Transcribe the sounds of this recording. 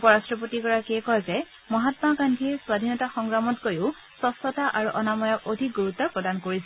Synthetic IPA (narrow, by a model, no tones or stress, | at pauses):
upɔɹastɹɔp̬otikɔɹakiɛkɔjzɛ | mɔɦatmakandʰʱiɛswad̪ʱinɔtaxɔŋɡɹamɔtkojʊ | sɔsɔtaʔaɹuʔɔnamɔjɔkodʱik̚ɡuɹutːɔpɹɔdankoɹisɛ